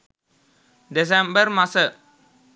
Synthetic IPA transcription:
des̬ɛmbərmasə

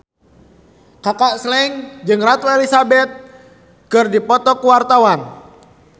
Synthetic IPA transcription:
kakaʔslɛŋd͡ʒɨŋrat̪waelisabɛt̪̚ | kɨrdipɔt̪ɔkuwart̪awan

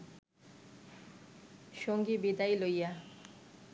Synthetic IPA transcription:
ʃoŋɡibid̪ailoja

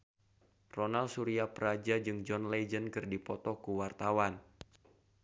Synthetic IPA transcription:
rɔnalsuɾiapəɾad͡ʒad͡ʒɨŋd͡ʒɔnled͡ʒənkɨrdipɔt̪ɔkuwart̪awan

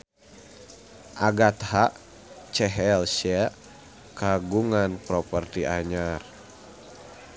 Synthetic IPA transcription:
ʔaɡat̪haʔ | t͡ʃɛɦɛlʃia | kaɡuŋanpɾɔpərt̪iʔaɲar

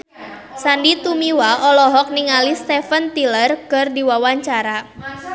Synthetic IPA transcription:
sandit̪umiwaʔɔlɔɦɔk̚niŋalist̪ɛfənt̪ilərkərdiwawaɲt͡ʃaɾa

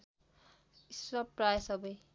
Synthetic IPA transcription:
iswʌpɾajsʌbʌj

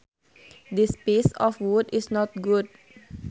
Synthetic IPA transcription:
dispesɔfwudisnɔt̪̚ɡud̚

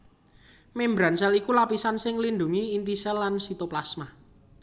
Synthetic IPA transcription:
membɾansɛlikulapisansɪŋlindṳŋiːnt̪isɛlːansit̪oplasma

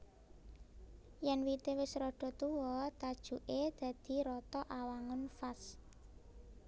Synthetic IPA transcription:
jɛnwit̪ewɪsɾɔɖ̥ɔ̤t̪uwɔt̪ad̥ʒ̥ṳʔed̪̥ä̤d̪̥i̤ɾɔt̪ɔʔawaŋʊnfas

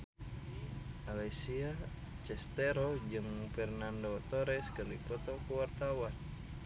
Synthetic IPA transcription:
alɛsia | t͡ʃɛst̪ɛɾɔd͡ʒɨŋfɛrnandot̪oɾɛskəripɔt̪ɔkuwart̪awan

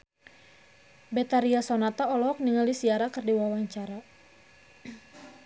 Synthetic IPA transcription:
bɛt̪aɾiasɔnat̪aɔlɔk̚niŋaldisiaɾakɨrdiwawaɲt͡ʃaɾa

